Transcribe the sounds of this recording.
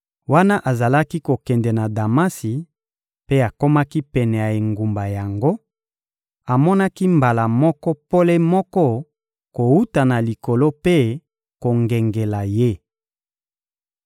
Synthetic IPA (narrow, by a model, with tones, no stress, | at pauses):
wa˦na˦ʔa˨za˨la˦ki˦ko˨kɛ˨ndɛ˨na˨da˨ma˦si˨ | pe˦a˨ko˦ma˦ki˦pɛ˨nɛ˨ja˨e˨ŋɡu˨mba˨ja˨ŋɡo˦ | a˨mɔ˦na˦ki˦mba˨la˨mɔ˦kɔ˦po˦le˦mɔ˦kɔ˦ | ko˨wu˦ta˨na˨li˨ko˨lo˦pe˦ | ko˨ŋɡɛ˨ŋɡe˨la˨je˦